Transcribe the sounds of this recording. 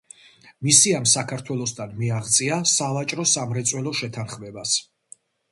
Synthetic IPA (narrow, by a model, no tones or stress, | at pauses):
misiamsakʰaɾt̪ʰwɛlˠɔsd̪anmiaʁt̪sʼiasavat͡ʃʼɾɔsamɾɛt̪sʼwɛlˠɔʃɛt̪ʰanχmɛbas